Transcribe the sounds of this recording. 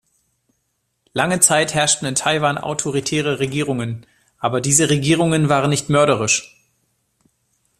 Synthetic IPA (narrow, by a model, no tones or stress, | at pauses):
laŋət͡saɪthɛɐʃtn̩ɪntʰaɪvaːnʔa̰ʊtʰoʁitʰɛːʁəʁeɡiːʁʊŋən | ʔaːbɐdiːzəʁeɡiːʁ̞ʊŋənvaːʁənɪçtmœɐɾəʁɪʃ